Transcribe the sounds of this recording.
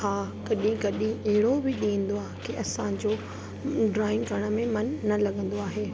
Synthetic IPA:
aːkɐɗĩkɐɗĩɐɦɪɽobɪɗiə̃n̆d̪oaːɦekiʔɐsãd͡ʑoː | ɖɾaːɪ̃ŋkɐɾɽ̃ə̆mẽmɐnːɐlɐɠə̃nd̪oaːɦeː

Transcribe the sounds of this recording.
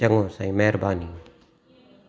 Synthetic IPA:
ɐŋɡõːsaĩmɛɦɾbaːniː

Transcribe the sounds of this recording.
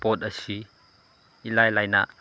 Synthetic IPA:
pɔt̚ɐsi | ʔilajlajna̰ʔ

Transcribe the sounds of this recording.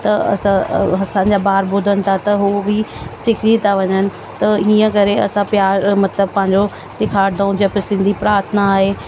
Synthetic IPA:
t̪ɐɐ̰sãɐsãɲ̆d͡ʑabaːɾbʊd̪ʱənɪ̆t̪ʰat̪ɐɦubʱisɪkʰit̪ʰaʋɐɲənɪ̆ | t̪ɐiːə̃kɐɾeɐ̰sãpjaːɾmɐt̪ləbpɐ̃ɦɪ̃ɲd͡ʑo | d̪ɪkʰaːɾd̪aũd͡ʑeːpɪsɪ̃nd̪ʱipɾaːɾt̪ʰnaːɦeː

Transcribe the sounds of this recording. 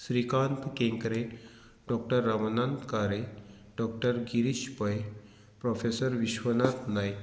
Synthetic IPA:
sɾikant̪kẽŋkɾe | ɖɔk̚ʈəɾːaʋənant̪kaɾe | ɖɔk̚ʈəɾɡiɾiɕpəj | pɾofʰesəɾʋiɕʋənat̪naj

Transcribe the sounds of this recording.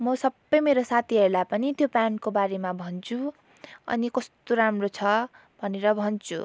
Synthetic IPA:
mʌsʌbːʌjmeɾosat̪ʰiɦʌɾulapʌnit̪jopjankobaɾemabʱʌnt͡sʰu | ʌ̰nikʌst̪oɾamrot͡sʰʌ | bʱʌneɾʌbʱʌnt͡sʰṵ

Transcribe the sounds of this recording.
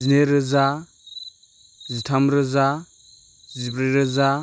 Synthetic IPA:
ineɾəza | zitʰamɾəza | zipɾeɾəza

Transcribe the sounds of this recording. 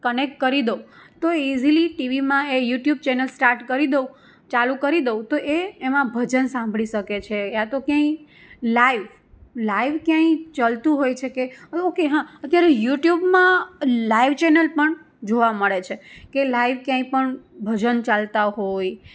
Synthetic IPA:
kənek̚ʈ̚kəɾid̪əut̪oiziliʈiʋimãejuʈjub̚t͡ʃenəlsʈaɾʈkəɾid̪əũ | t͡ʃalukəɾid̪əut̪oʔeːmãbʱəd͡ʒənsãmbʱɭiʃəket͡ʃʰeat̪okjãĩ | laiʋ | laiʋkjãĩt͡ʃalt̪ũɦojt͡ʃʰekeokeɦãət̪jaɾejuʈjubmãlaiʋt͡ʃenəlpəɳ | d͡ʒoʋaməɭet͡ʃʰekelaiʋkjãĩpəɳbʱəd͡ʒənt͡ʃalt̪aɦoj

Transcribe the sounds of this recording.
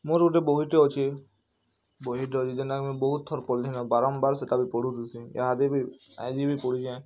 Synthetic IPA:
moɾuʈeboɦiʈeɔt͡ʃʰi | boɦiʈeɔt͡ʃʰid͡ʒenakemũbɔɦut̪̚t̪ʰːɔɾpɔlinɔbaɾɔmbaɾset̪abipɔɽ̤ut̪usiḛɦad̪ibi | a̰jd͡ʒ̪ibipɔɽid͡ʒʰiã

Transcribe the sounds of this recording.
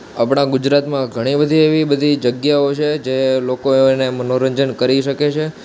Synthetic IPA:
apɳ̃aɡud͡ʒɾat̪mãɡʱəɽ̃ibəd̪ʱieʋibəd̪ʱid͡ʒəɡjaot͡ʃʰed͡ʒelokonemənoɾəɲd͡ʒənkəɾiʃəket͡ʃʰe

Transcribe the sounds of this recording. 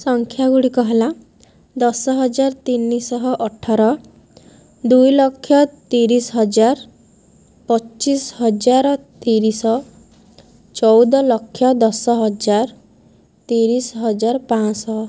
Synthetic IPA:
sɔŋkʰjaɡuɽikɔɦela | d̪ɔsɔɦɔd͡ʒaɾt̪inːisɔɦɔʔɔʈʰaɾɔ | d̪ujlɔkʰːjɔt̪iɾisɔɦɔd͡ʒaɾ | pɔt͡ʃisɦɔd͡ʒaɾɔt̪iɾisɔ | t͡ʃɔwd̪ɔlɔkʰːjɔd̪ɔsɔɦɔd͡ʒaɾ | t̪iɾisɔɦɔd͡ʒaɾpãsɔ

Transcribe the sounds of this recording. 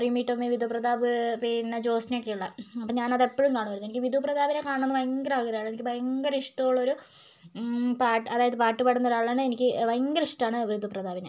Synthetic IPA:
rimiːʈːɐmːiʋid̪ʱuprɐd̪aːʋɨpinːɐt͡ɕo̞ːsnɐjokːe̞juɭːɐɐpːoːɲaːnɐðe̞pːoɻumkaːɳumʋɐɾunːuenikʲːɨʋid̪ʱuprɐd̪aːʋinekaːɳonːɨʋɐjŋɡɐɾɐɐɣɐɾɐjaːɳenikʲːɨʋɐjŋɡɐɾiʂʈɐuɭːɐoɾu | paːʈːɐðaːjɐðɨpaːʈːɨpaːɽunːɐoɾaːɭaːɳɨenikʲːɨʋɐjŋɡɐɾiʂʈaːɳɨʋrid̪ʱuprɐd̪aːʋinɐ

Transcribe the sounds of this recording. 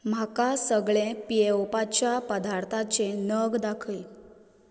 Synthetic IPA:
m̤akasəɡɭẽpieopat͡ɕjapəd̪ʱaɾt̪ʰat͡ɕenəɡd̪akʰə

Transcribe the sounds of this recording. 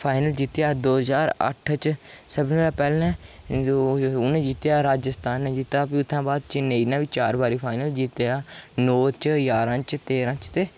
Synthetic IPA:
pʰaːɪnəld͡ʒit̪jaːd̪oːɦzaːɾə̰ʈʰt͡ʃsəbnlaːpɛːlɛ̃ː | ʊnẽːd͡ʒiːt̪jaːɾaːd͡ʒəst̪ʰaːnːd͡ʒɪt̪aːpiːʊt̪ʰːãːbaːd̪t͡ʃɪnːeiːnãːʋiːt͡ʃaːɾbaːɾiːpʰaːɪnəld͡ʒiːt̪ejaːnoːt͡ʃjaːɾãːt͡ʃt̪eːɾãːt͡ʃt̪eː

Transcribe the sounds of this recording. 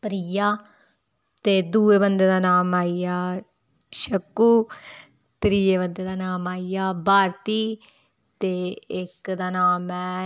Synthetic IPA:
pəɾijaː | t̪eːd̪uːeːbənd̪eːd̪aːnaːmaːijaː | ʃəkːuː | t̪ɾiːeːbənd̪eːd̪aːnaːmaːijaːbaːɾt̪iː | t̪eːɪkd̪aːnaːmɛː

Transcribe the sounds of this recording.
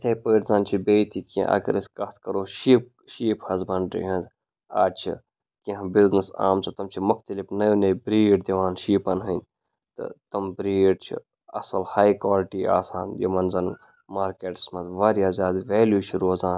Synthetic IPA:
t̪ʰejpəːʈzaːnt͡ʃʰibeːt̪ʰikḭ̃ʔɐ̰ɡɐ̰ɾɐskɐt̪ʰkɐɾoːʃiːp̚ | ʃiːphɐzbɐɳɖɾḭɦɐ̃z | a̰ːt͡ʃʰḭ | kiɦãbiznəsa̰ːmsʰɐt̪ɐmt͡ʃʰimʊxt̪ɐlifnɐjnɐjbɾiːɖd̪ɐʋaːnʃiːpɐnɦɐnʲ | t̪ɨ̰t̪ɐmbɾiːɖt͡ʃʰḭ | ɐ̰sɐlhaːjkwaːlʈiːa̰ːsaːnjo̰mɐnzɐn | maːɾkeːʈsmɐt̪ʋaːɾjaːzjaːd̪ʋeːljuːt͡ʃʰiɾoːzaːn

